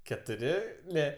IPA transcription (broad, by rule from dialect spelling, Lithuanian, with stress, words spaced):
kʲɛtʊˈrʲɪ ˈnʲɛ